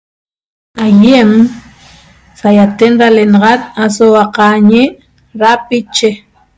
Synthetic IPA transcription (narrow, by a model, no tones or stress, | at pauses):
ajem | sajat̪enɾalenɑʁɑt̪̚asowaqɑɲe | ɾapit͡ʃe